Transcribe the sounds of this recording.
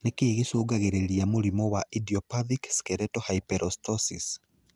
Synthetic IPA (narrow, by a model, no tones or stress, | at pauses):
nekeeɣesoːɡaɣeɾeɾiamoɾimɔwaʔidiɔpaðikskɛɾɛtɔhaipɛɾʔɔstɔsis